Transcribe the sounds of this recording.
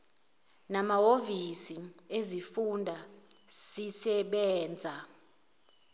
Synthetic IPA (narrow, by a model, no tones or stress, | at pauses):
namaovisiezifundʱasisɛɓɛːnd͡zʱa